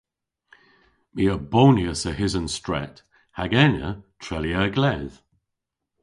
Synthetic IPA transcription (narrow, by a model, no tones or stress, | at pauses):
miəboːniəsəɦɪzə̃nstɹ̥ɛ̰t | haɡɛnə̰tʰɹɛliəɡlɛð̥